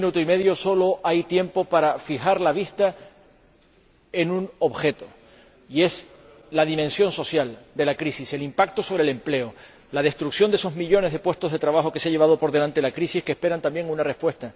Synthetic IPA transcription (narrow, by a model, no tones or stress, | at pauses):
minut̪oime̞ðjo̞so̞lo̞ʔajt̪je̞mpo̞paɾafixaɾlaβist̪a | e̞nũno̞βxe̞t̪o̞ | ie̞s | laðimensjo̞nso̞sjald̪e̞lakɾisise̞limpak̚t̪o̞so̞βɾele̞mple̞o | lað̞e̞st̪ɾuksjo̞nd̪ee̞so̞zmiʎo̞ne̞zðe̞pwe̞st̪o̞ɦðe̞t̪ɾaβaxo̞keseaʎe̞β̞að̞o̞poɾðelant̪e̞lakɾisihkehpe̞ɾant̪ambje̞ŋunare̞spwe̞st̪a